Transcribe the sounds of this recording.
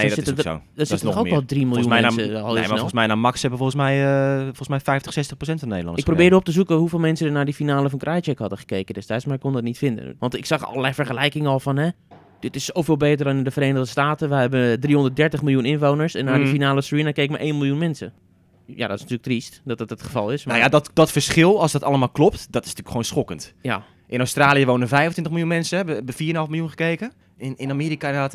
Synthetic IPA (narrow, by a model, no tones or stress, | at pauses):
ndsɪto̰dɔnsɪənɔxoɔlˠdrimɪlˠunəl̰smɛjnaːmɑksɛbəfolˠəsmɛjfɔlˠsmɛjfɛjftə̥sɛstəχprosɛntfɔnːḛjdəlˠɑ̰dəɪprobɪːdəop̚təzukəɦufɪːlˠmɛnsədənaːɹdifinaːləfɔnkrʔajt͡ʃəkhɑdəχə̥kejkəndɛstɛjtsmaɪkondɔtnitfɪndə̰nʋɑntɪksɑχɔ̰ləlɛfəɹχəlɛjkɪŋɔlˠfɔnɦɛ | d̥ɪtɪsːowfɪːlˠbeːtəɹdɔnndəfərɾeːnədəstaːtəʋəjɦɛbəndrihɔndət̚dɛɹtəχmɪljunɪnʋownəɹsɛnːaɹdəfinaːləsɹinakeːk̚ma̰ʔejnmɪlˠjunmɛnsə̰ | ja̰dɔtɪsntyːləktristdɔtətətχəvɑlˠɪsmajadɔtdɔtfəɹsχɪlˠɑlsdɔtɑləmaːlˠklɔp̚tdɔtɪ̥sntyːəkxoːnsχɔkəntja̰ | ʔɪnowstraːlijəʋownəvɛjvəntʋɪntəχmɪlˠjunmɛnsəɛbəbəfiːənɦɑlˠfmɪlˠjunχəkejkə | nɪnameːɾikaɔt